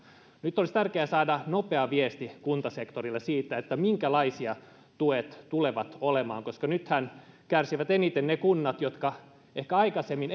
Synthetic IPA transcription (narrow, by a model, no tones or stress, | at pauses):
nyt̪ːolist̪ærkeæsɑːdɑnopeɑʋiest̪ikunt̪ɑsekt̪orilːesiːt̪ːˑæet̪ːæmiŋkælɑisiɑ | t̪uet̪tuleʋɑt̪olemɑːŋkoskɑnyt̪hænkærsiʋæt̪enit̪ennekunːɑt̪jot̪kɑ | ehkæɑikɑsemːin